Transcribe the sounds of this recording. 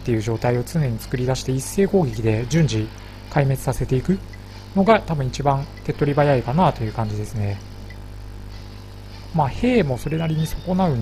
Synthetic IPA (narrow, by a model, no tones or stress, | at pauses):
t̪ːe̞jɯ̟ːʑo̞ːt̪aio̞t͡sɨne̞ɲ̟it͡sɨ̥kɯ̟ɾʲid̪aɕi̥t̪e̞isːe̞ːko̞ːɡʲekʲid̪e̞d͡ʑɨ̃ɲ̟d͡ʑi | kaime̞t͡sɨ̥sase̞t̪e̞ikɯ̟ | no̞ɡat̪abɯ̟̃it͡ɕibãnt̪e̞t̪ːo̞ɾʲibajaikanaːt̪o̞jɯ̟ːkãɲ̟d͡ʑid̪e̞sɨne̞ | maːhe̞ːmo̞so̞ɾe̞naɾʲiɲ̟iso̞ko̞naɯ̟n